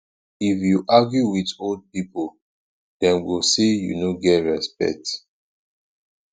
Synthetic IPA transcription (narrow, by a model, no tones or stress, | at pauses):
ifjuʔaɡjuwitold̚pipo | d̥ɛ̃nwilsejṵnoɡɛtɹɛspɛ̰k̚t